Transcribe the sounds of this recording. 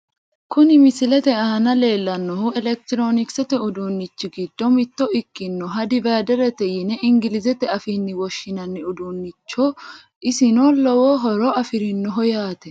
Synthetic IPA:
kʊnɪmɪsɪlɛt̪ɛɐɐnɐle̞ːlːɐnːɔhʊɛlɛk̚t̪ɪɾoːnɪksɛt̪ɛʊd̪unːɪt͡ʃːɪɡɪd̪̥ːɔmɪt̪ːɔɪkːɪnːɔɦɐd̪ɪbaːd̪ɛɾɛt̪ɛjɪnɛʔɪŋɡɪlɪzɛt̪ɛɐfinːɪwɔʃːɪnɐnːɪʊd̪unːɪt͡ʃːo | ʔɪsɪnolɔwoɦɔɾɔɐfɪɾɪnːɔɦɔjaːt̪ɛ

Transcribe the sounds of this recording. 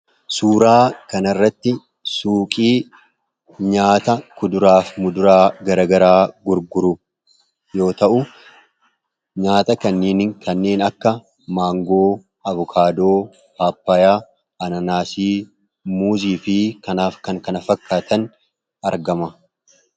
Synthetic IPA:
suːɾaːkɐnɐrːɐt̪ːɪ | suːkʼiː | ɲaːt̪ɐkʊd̪ʊɾaːfmʊd̪ʊɾaːɡɐɾɐɡɐɾaːɡʊɾɡʊɾʊ | jo̞ːt̪ɐʔʊ | ɲaːt̪ɐkɐnːeːnŋkɐnːe̞ːnɐkːɐ | maːŋɡo̞ː | ɐβʊkʰaːd̪oː | haːpːɐjaː | ʔɐnɐnaːsiː | muːziːfɪkɐnaːfkɐŋkɐnɐfɐkːaːt̪ɐn | ɐɾɡɐmɐ

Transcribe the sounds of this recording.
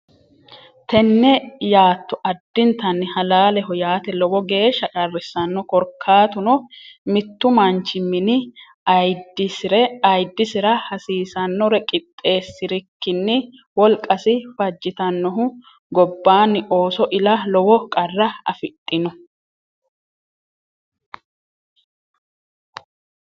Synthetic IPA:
t̪ɛnːɛjaːt̪ːʊʔɐd̪ːɪnt̪ɐnːɪhɐlaːlɛɦɔjaːt̪ɛlɔwɔɡe̞ːʃːɐkʼɐrːɛsːɐnːɔkɔɾkʰːaːt̪ʊnɔmɪt̪ːʊmɐnt͡ʃːɪmːɪnɪ | ɐjd̪ɪsɪɾɛɐjd̪ːɪsɪɾɐhɐsiːsɐnːɔɾɛkʼɪt̪ʼːe̞ːsːɪɾɪkːɪnːɪ | wɔlkʼːɐsɪfɐd͡ʒːɪt̪ɐnːɔɦʊ | ɡɔbːaːnɪʔo̞ːsɔʔɪlɐlɔwɔkʼɐrːɐɐfɪt̪ʼːɪnʊ

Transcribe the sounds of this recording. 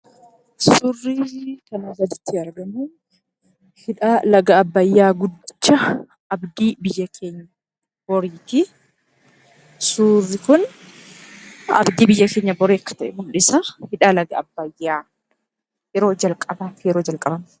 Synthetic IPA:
surːikɐnɐrːɐt̪ɪ̥t̪ʰːɪɐɾɡɐmʊ | hɪᶑaːlɐɡɐːbːɐjːaːɡʊd̪ːɪt͡ʃːɐ | ʔɐbd̪iːbɪjːɐkʰe̞ːɲːɐ | bɔɾiːt̪ɪ | suːrːɪkʊn | ɐ̰bd̪iːbɪjːɐkeːɲːɐbɔɾiːɐkːɐ̥t̪ɐʔɛɡʊlᶑɪsɐhɪᶑaːlɐɡɐɐbːɐjːaː | jɛɾo̞ːd͡ʒɐlkʼɐbaːt̪ɪjɛɾoːd͡ʒɐlkʼɐbɐm

